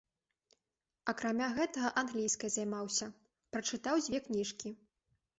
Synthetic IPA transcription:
ɐkɾamʲaɣɛt̪ɐɣɐʔanɣlʲijskɐjzajmawsʲɐ | pɾɐt͡ʂɨt̪awd͡zʲvʲɛknʲiʂkʲi

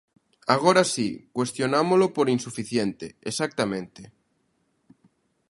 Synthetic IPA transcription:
aɣ̞oɾasikwe̞st̪jonamolopoɾinsufiθjent̪eːsak̚t̪amẽnt̪e

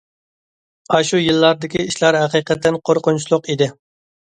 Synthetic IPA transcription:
ɑʃujilˠːɑɾd̪ɪkʲiiʃlˠɑɾɦæqiqət̪ʰːɪnqʰoɾqʊnt͡ʃʰilˠʊqid̪ɪ

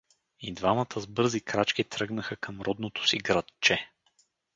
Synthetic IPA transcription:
id̪vamət̪ʰəzbɤɾzikɾat͡ʃkit̪ɾɤɡnəxəkəmɾɔd̪not̪ʰo̥siɡɾɐt̪t͡ʃɛ

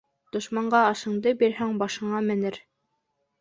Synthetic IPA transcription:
d̪̥ŏʃmɑɴɢɑːʃɤ̆ɴd̪ɤbiɾhæŋbɑʃɤ̆ɴɑmɘ̆nɘɾ

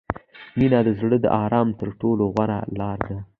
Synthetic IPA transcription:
minɑd̪əzɽəd̪ə̰ʔɑɾɑmt̪əɾʈoloɣwaɾa̰lɑɾd̪a

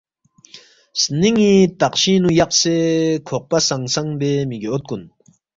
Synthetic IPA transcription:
sniŋit̪aqʃinujɑq̚sekʰoq̚pasaŋsaŋbeːmiɡeot̪̚kun

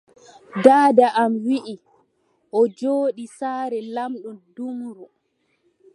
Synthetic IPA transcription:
daːdaʔamwiʔi | ʔɔd͡ʒoːɗisaːɾɛlamɗumdumɾu

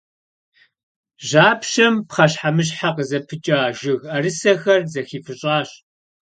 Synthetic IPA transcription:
ʑaːpʃɐmpχɐɕħamɨɕ̬ħaqəzɐpʰɨt͡ʃʼaːʒɪɣɐrɨsɐxɐrzɐxiːfɨɕʼaːɕ

